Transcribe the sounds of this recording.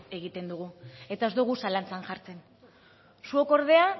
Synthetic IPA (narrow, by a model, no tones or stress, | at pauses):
e̞ɣit̪e̞nd̪uɣ̞ue̞t̪ae̞zd̪uɣ̞usalant͡sanʝaɾt͡se̞n | suoko̞ɾð̞e̞a